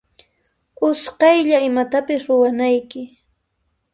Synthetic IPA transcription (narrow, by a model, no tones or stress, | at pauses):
ʊsqɑjʎaɪmat̪apɪsɾʊwanajkɪ